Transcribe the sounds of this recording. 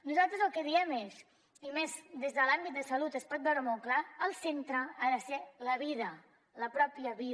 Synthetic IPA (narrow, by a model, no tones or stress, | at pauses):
nuzalˠt̪ɾəzəlˠkəðiɛmes | imezd̪ezðəlambit̪̚d̪əsəlut̪əspɔt̪̚bɛwɾəmɔlˠklaːlˠsent̪ɾəanəseləβið̞ə | ləpɾɔpjəβi